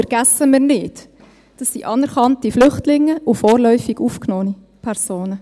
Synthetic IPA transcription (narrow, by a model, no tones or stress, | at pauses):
fɛɾɡ̥æsəmɪːɾnɪt | d̥ɑsːḭʔɑnɛɾkɑntiflʏχtlɪŋːəʔʊfɔːɾlœʏfiɡ̥uːfknoːəni | pʰɛɾsoːnə